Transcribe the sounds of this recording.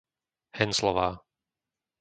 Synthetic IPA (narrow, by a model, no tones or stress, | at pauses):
hɛnslɔʋaː